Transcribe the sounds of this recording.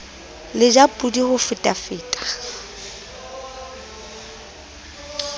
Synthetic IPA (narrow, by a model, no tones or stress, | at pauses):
lɪd͡ʒapʼudihʊfɪtʼafɪːtʼḁ